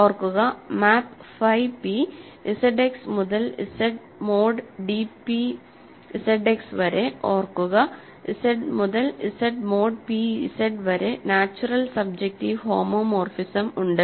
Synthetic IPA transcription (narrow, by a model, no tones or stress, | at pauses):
oːrkuɣɐmaːpfɐjpi | iseɖeksmuðɐlḭseɖ | moːɖɖipi | iseɖeksʋɐɾeoːrkːuɣɐ | iseɖmuðɐlisɐɖmoːɖpiḭseɖʋɐɾenaːt͡ɕːurɐlsɐb̚d͡ʑek̚ʈihoːmoːmoːrfisɐmuɳɖɨ